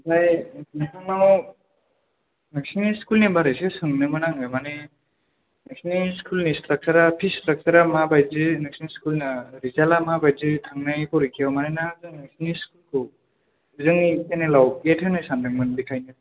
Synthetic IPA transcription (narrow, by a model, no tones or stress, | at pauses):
bajnaɦanaw | nɯksiniskulnebaɾɯjsɯsɯŋnɯmɯnaŋɯmane | nɯksiniskʰulnisʰak̚saɾapʰisak̚saɾamabajzɯnɯksiniskulnɯɾizalamabajzɯtʰaŋnajkʰɔɾikʰijawmanenazɯŋnɯksniskulkʰɯ | zɯŋikenelawetʰɯnɯjsandɯŋmɯnbikʰajnɯ